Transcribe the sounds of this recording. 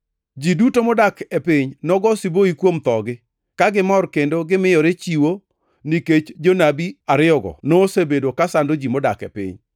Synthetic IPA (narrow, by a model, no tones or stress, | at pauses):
d͡ʒidutomɔdakepɪɲnɔɡɔsiboikwomt̪ɔɡɪ | kaɡɪmɔrkendoɡɪmɪjɔɾet͡ʃiwo | niket͡ʃd͡ʒonabiaɾɪɔɡɔ̰noːsebedokasandod͡ʒimɔdakɛ̰pɪ̰ɲ